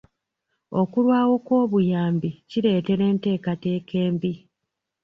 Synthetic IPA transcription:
o̞kulwaːwo̞kwo̞ːβujaːmbiciɾe̞ːte̞ɾe̞ːnte̞ːkate̞ːkʰe̞ːmbi

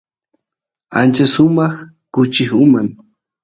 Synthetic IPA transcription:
a̰nt͡ʃasʊmɑχ | kʊt͡ʃɪχʊmaŋ

